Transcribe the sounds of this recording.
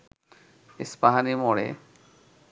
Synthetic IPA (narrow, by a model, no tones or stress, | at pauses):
ispaɦanimɔɽḛ